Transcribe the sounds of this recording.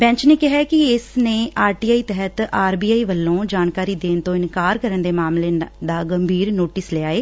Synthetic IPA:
bɛ̃ːɲt͡ʃneːkɪɦakɪɪsnẽːʔaːɾʈiːaːiːt̪ɛɦət̪aːɾbiːaːiːʋəlːõːd͡ʒaːnkaːɾiːd̪eːnt̪õːɪnkaːɾkəɾənd̪eːmaːmleːd̪aːɡəmbʱiːɾnoːʈɪsleaːeː

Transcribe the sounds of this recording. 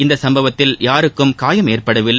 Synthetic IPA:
ɪnd̪ɐsɐmbɐʋɐt̪ːɪljaːɾɯkːɯmkaːjɐmeːrpɐɽɐʋɪlː

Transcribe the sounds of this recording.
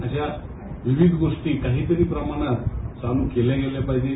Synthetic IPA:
əɕa | ʋiʋid̪ʱɡoʂʈikaɦiːt̪əɾiːpɾəmaɽ̃əsanũkeleɡelepajd͡ʑe

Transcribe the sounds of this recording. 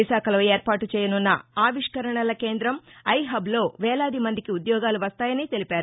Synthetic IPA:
iʃaːkɐloːeːɾpaːʈut͡ʃɛːjɐnunːɐaːʋiʂkɐɾɐɳɐlɐke̞ːnd̪ɾɐmɐjɦɐblo̞ːʋɛːlaːd̪imɐnd̪ikiud̪jɔːɡaːluʋɐst̪aːjɐniːt̪e̞lipaːɾu

